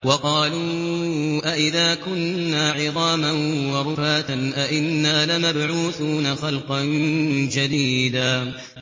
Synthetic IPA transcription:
wɑqɑːluː | ʔaʔɪðaːkʊnːaːʕɪðˤɑːmanwɑɾʊfaːt̪anʔaʔɪnːaːlɪmabʕuːθuːnaxɑlqɑnd͡ʒad̪iːd̪aː

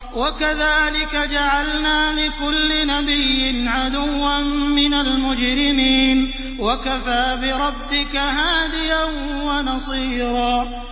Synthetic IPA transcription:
wakaðaːlɪkad͡ʒaʕalnaːlɪkʊlːɪnabɪjːɪnʕad̪ʊwːammɪnalmʊd͡ʒɾɪmiːn | wakafaːbɪɾˤɑbːɪkaɦaːd̪ɪjan | wɑnɑsˤiːɾɑː

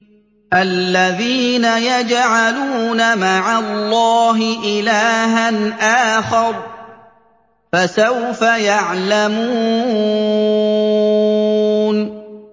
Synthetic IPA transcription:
ʔalːaðiːnajad͡ʒʕaluːnamaʕalːɑːɦɪʔɪlaːɦanʔaːxɑɾˤ | fasawfajaʕlamuː | n

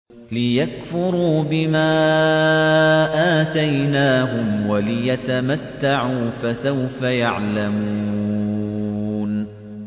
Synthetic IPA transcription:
lɪjakfʊɾuːbɪmaː | ʔaːt̪ajnaːɦʊmwalɪjat̪amat̪ːaʕuːfasawfajaʕlamuː | n

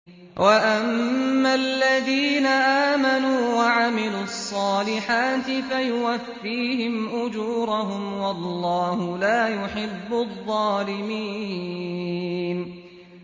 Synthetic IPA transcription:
wʔaʔammːalːaðiːnaʔaːmanuːwaʕamɪluːɑsˤːɑːlɪħaːt̪ɪfajʊwafːiːhɪmʔʊd͡ʒuːɾˤɑɦʊmwɑlːɑːhʊlaːjʊħɪbːʊðˤːɑːlɪmiː | n

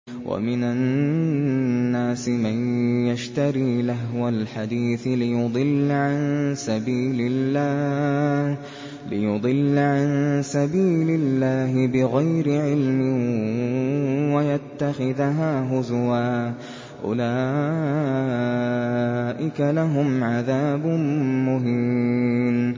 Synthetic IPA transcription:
wʔa̰mɪna | aːsɪmanjaʃt̪aɾiːlaɦwalħad̪iːθlɪjʊd̪ˤɨlːʕansabiːlɪlːaːh | lɪjʊd̪ˤɨlːʕansabiːlɪlːaːɦɪbɪɣajɾɪʕɪlmɪ | wajat̪ːaxɪðɦaːɦʊzwaː | ʔʊ̰laː | ʔɪkalaɦʊmʕaðaːbmʊɦɪmn

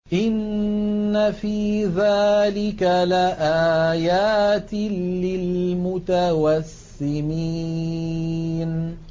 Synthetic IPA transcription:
ʔɪnː | afiːðaːlɪkalaʔaːjaːt̪lɪlmʊt̪awasːɪmiː | n

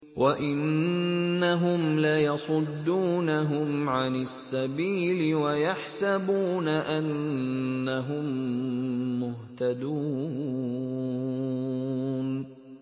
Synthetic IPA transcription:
wʔaʔɪnː | aɦʊmlajɑsˤʊd̪ːuːnaɦʊmʕanɪsːabiːlɪwajaħsabuːnaʔanː | aɦʊmː | ʊɦt̪ad̪uː | n

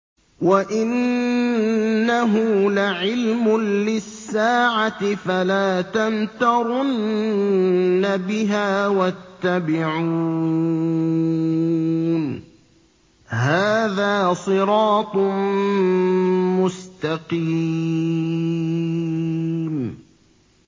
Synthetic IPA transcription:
waʔɪn | aɦʊlaʕɪlmʊlɪsːaːʕat̪ɪfalaːt̪ant̪ɑɾˤʊn | abɪɦaːwat̪ːabɪʕuː | n | haːðaːsˤɨɾɑːt̪ˤ | mʊst̪aqi | m

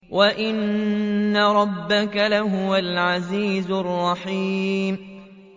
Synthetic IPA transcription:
wʔaʔɪnː | aɾˤɑbːakalaɦʊwalʕaziːzʊrˤːɑħiːmm

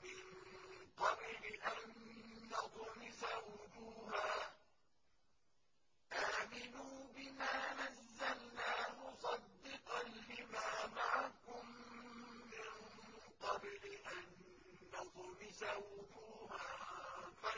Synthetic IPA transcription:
mɪnqɑbɾɪʔanːɑt̪ˤmɪsawʊd͡ʒuːɦaː | ʔaːmɪnuːbɪmaːnazːalnaːmʊsˤɑd̪ːɪqɑnlɪmaːmaʕakʊmː | ɪnqɑbɾɪʔanː | ɑt̪ˤmɪsawʊd͡ʒuːhaːfa

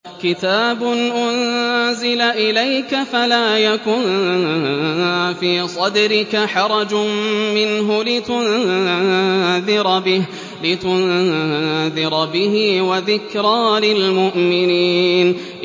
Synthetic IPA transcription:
kɪt̪aːbʊnʔʊnzɪlaʔɪlajkafalaːjakʊn | fiːsˤɑd̪ɾɪkaħɑɾˤɑd͡ʒʊmɪnɦʊlɪt̪ʊn | ðɪɾbɪh | lɪt̪ʊn | ðɪɾbɪhɪwaðɪkɾɑːlɪlmʊʔmɪniːn

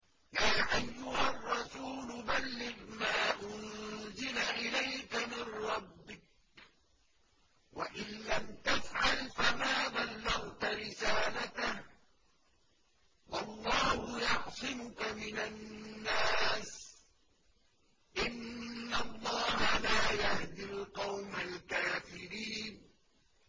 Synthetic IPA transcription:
jaːʔajːʊhɑrˤːɑsuːlʊbalːɪmaːʔʊnzɪlaʔɪlajkamɪnɾˤɑbːɪk̚ | wa̰ʔɪnlamt̪afʕalfamaːbalːɑɣt̪aɾɪsaːlat̪ah | wɑlˤːɑːhʊjɑħsˤɪmʊkamɪnanːaːs | ʔɪnːɑlˤːɑːhalaːjahd̪ɪlqɑwmalkaːfɪɾiːn

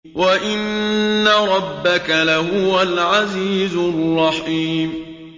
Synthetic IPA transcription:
waʔɪnːaɾˤɑbːakalaɦʊwalʕaziːzʊrˤːɑħiːm

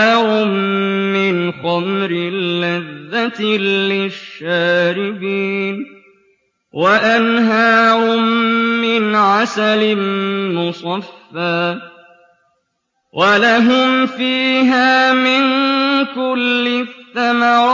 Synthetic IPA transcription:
ɾʊmːɪnxamɾɪlːɪðːat̪ːɪʃːaːɾɪbiːn | waʔanɦaːɾʊmːɪnʕasalɪmʊsˤɑfːaː | wʔalaɦʊmfiːɦaːmɪnkʊlːɪθːamɑɾˤ

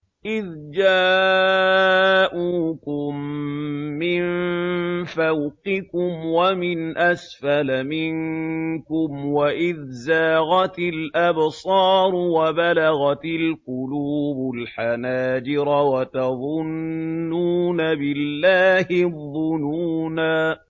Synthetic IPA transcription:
ʔɪðd͡ʒaː | ʔuːkʊmː | ɪnn | fawqɪkʊmwamɪnʔasfalamɪŋkʊmwaʔɪðzaːɣɑt̪ɪlʔabsˤɑːɾˤwabalaɣɑt̪ɪlqʊluːbʊlħanaːd͡ʒɪɾɑwat̪ɑðˤʊnːuːnabɪlːaːhɪðːʊnuːnaː

